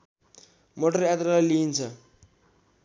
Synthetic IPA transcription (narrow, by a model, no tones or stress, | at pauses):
moʈʌrat̪ɾalajliint͡sʰʌ